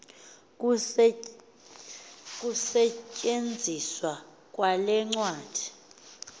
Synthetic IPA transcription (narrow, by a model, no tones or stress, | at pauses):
k̬ʼusɛcʼend͡zʱiswa | k̬ʼwalɛŋ͡ǀwaːd̥ʱi